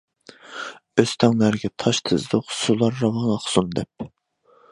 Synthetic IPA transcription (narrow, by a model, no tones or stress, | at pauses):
øst̪ʰɛŋlæɾɡʲɛt̪ʰɑʃt̪ʰɨzd̪ʊqsulˠɑɾːɑwɑŋɑχsund̪ɛp̚